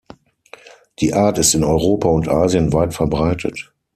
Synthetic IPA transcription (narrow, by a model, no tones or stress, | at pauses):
d̥iːʔaːɐtɪstɪnɔʏʁoːpaʊntʔaːziənvaɪtfɛɐbʁaɪtʰə̰t